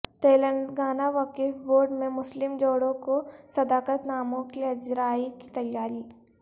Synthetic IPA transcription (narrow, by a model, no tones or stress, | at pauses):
t̪eːlənɡaːnaʋɐkifboːɾɖmẽmʊslɪmd͡ʒoːɽõkosɐd̪aːkət̪naːmõkiɐd͡ʒɾaːiki̥t̪ɐjːaːɾiː